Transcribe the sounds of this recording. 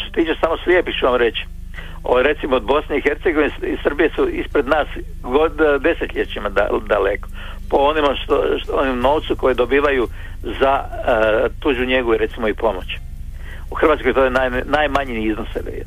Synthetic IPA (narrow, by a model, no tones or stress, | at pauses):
t̪oset̪iːt͡ʃesamoslʲjepixt͡ʃuʋamɾet͡ɕi̥ | oɾe̞t̪simood̪bo̞sneixe̞ɾt̪seɡo̞ʋineisr̩bijesuispɾed̪naːs | ɡod̪e̞set̪ʎet͡ɕimad̪a̰d̪aleko̥ | poonimaʃt̪oonimuno̞ːʋt̪suko̞jed̪obiːʋaju | za | t̪uːd͡ʒuɲe̞ɡouiɾe̞t̪simoipo̞mot͡ɕ | uxɾr̩ʋaːt̪skojt̪ojenanajmaɲiniiznoseʋḛ